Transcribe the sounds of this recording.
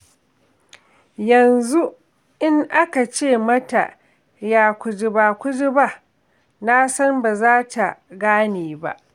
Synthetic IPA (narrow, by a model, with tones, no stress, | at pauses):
jɐ˨nzu˦ | ʔɪ˦ŋʔa˦ka˨t͡ʃeː˦˨mɐ˦ta̰˨ | jaː˦kʷʊ˨d͡ʒɪ˨baː˨kʷʊ˦d͡ʒɪ˦ba˦˨ | na˦sɐ˦mba˨zaː˦ta˨ɡaː˦neː˨ba̰˦ʔ